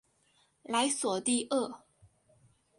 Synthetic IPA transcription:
la˧˥ɪswɔ˨˩t̪i˥˧ʔɤ˥˩

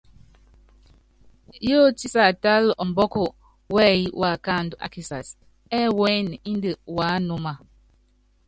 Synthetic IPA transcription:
jo˦ti˦sa˨ta˦lʔɔ˨m˨bɔ˦ko˨ | wɛ˦ji˦wʔa˨ka˦˨n˨dʔa̰˨ki˨sa˨s | ɛ˦wɛ˦n˨i˦n˦də˨wa˨˦no˦ma˨

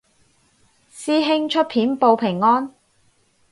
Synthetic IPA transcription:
siː˥ɦɪ˥ŋt͡ʃʰɵ˥t̚pʰiː˨˥npo˧wpʰɪ˨˩ŋːɔː˥n

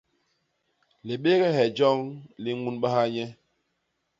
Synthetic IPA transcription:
le˨ɓe˦ɡɛ˦hɛ˨d͡ʒɔ˦ŋli˦ŋu˦nɓa˦ha˦ɲɛ˦

